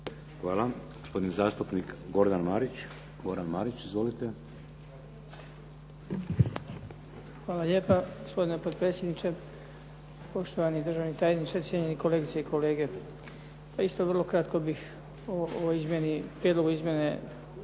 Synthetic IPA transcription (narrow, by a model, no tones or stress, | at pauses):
xʋaːlˠaɡospo̞d̪inizaːst̪upnikɡo̞ɾd̪anmaːɾit͡ɕ | ɡoɾd̪anma̰ɾit͡ɕizʋolit̪e | xʋaːlaʎe̞ːpaɡospod̪inepo̞d̪̚pɾet̪sʲje̞d̪nit͡ʃe̞ | po̞ʃt̪o̞ʋanid̪rʒaʋnit̪aːjed̪nit͡ʃaɾisjeɲeniko̞leːɡit̪seikʰo̞le̞ːɡe̞ | paist̪o̞ʋr̩lˠo̞kɾat̪kobix | ooizmʲjenipɾied̪lo̞ɡuizmjene